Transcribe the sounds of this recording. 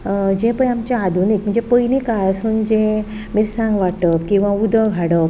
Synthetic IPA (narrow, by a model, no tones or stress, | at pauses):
d͡ʑẽpəjamt͡ɕaad̪ʱunek̚m̤ə̃ɳd͡ʑepəjnikaɭsund͡ʑẽ | miɾsãŋɡʋaʈəpkĩw̃ʋãud̪ʱəɡʱaɽəp̚